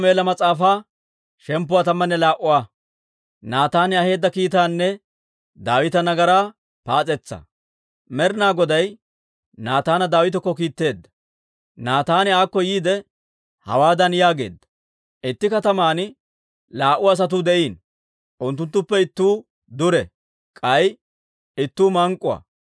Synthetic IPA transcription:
me̞ːlɐmɐt͡sʼaːfaː | ʃɛmpːʊwaːt̪ɐmːɐnːɛlaːʔʊwaː | naːt̪aːnɪɐhe̞ːd̪ːɐkiːt̪aːnːɛ | d̪aːwɪt̪ɐnɐɡɐɾaː | paːt͡sʼɛt͡sːɐ̰ | mɛɾnaːɡɔd̪ɐj | naːt̪aːnɐd̪aːwɪt̪ɔkːɔkiːt̪ːe̞ːd̪ːɐ̥ | naːt̪aːnɪaːkːɔjiːd̪ɛ | hɐ̰waːd̪ɐnjaːɡe̞̰ːd̪ːɐ̥ | ʔɪt̪ːɪkɐt̪ɐmaːn | laːʔʊɐs̬ɐt̪ʊd̪ɛʔiːn | ʔʊnt̪ːʊnt̪ːʊpːɛɪt̪ːuː | d̪ʊɾɛ | kʼɐj | ɪt̪ːuːmɐŋkʼːʊwɐ̰

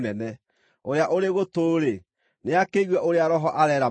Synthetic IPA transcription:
nɛnɛ | oɾeaʔoɾeɣotoːɾe | neakeiɣwɛʔoɾeaɾɔɦɔʔaɾɛːɾa

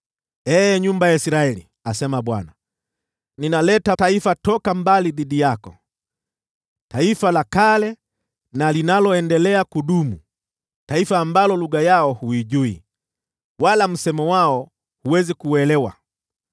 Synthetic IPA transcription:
ɛɲumbajaisiɾaɛlḭ | asɛmaɓwa̰na | ninalɛtataifatɔkambaliðiɗijakɔ | taifalakalɛ | nalinalɔɛndɛlɛakuɗumu | taifaːmbalɔluɡajaɔhuiʄuḭ | walam̩sɛmɔwaɔ | huwɛzikuwɛlɛwa̰

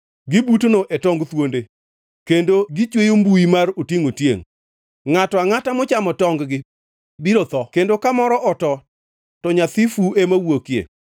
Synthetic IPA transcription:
ɡɪbutnoʔetɔŋɡt̪wonde | kendoɡɪt͡ʃwejombuimarotjeŋotjḛŋ | ŋatɔaŋatamɔt͡ʃamɔtɔŋɡɡɪ | biɾɔt̪ɔkendokamɔɾɔʔɔtɔ | tɔɲat̪ifuemawokjḛ

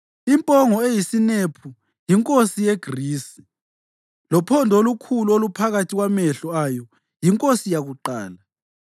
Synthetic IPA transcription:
impʼɔŋɔejisinepʰu | jiŋkʼosijeɡ̥riːsi̥ | lɔpʰɔndʱolukʰuluolupʰaɣatʰiɣwamɛɬɔajɔ | jiŋkʼosijaɣuǃaːla

